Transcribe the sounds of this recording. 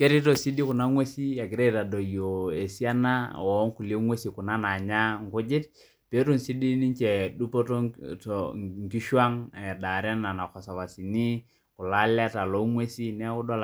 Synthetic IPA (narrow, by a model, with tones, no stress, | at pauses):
ke˦ɾi˦to˨si˦di˦kʊ˨na˦ŋwe˦si˦a˨kɪ˨ɾe˦ta˨do˨jo˨e˨si˦a˦na˦ɔ˨˦ŋku˨le˦ŋwe˦si˨kʊ˨na˦na˨ɲa˦ŋ˨kʊ˦d͡ʒɪ˦t̚ | pe˦ɾu˦˨nsi˦di˦ni˦ɲt͡ʃɛ˨du˦po˦to˦tŋki˦ʃwa˦ŋɛ˨da˨ɾa˦na˨na˨kɔ˨sa˨βa˨si˨ni˦ | kʊ˨la˦la˦ta˨lo˦ŋwe˦si˦nɛ˦kʊ˦dɔ˦l